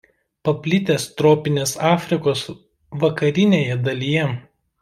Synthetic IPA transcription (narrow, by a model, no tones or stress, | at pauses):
pɐpʲlʲɪt̪ʲeːst̪ɾoːpʲɪnʲeːsɑːfʲɾʲɪkoːs | ʋɐkɐɾʲɪnʲeːjɛd̪ɐlʲijɛ